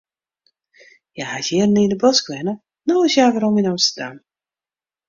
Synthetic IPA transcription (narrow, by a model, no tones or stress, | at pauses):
jahazɪərnindəbɔskʋɛnə | noːɪsjaːʋaɾɔmənamstərdam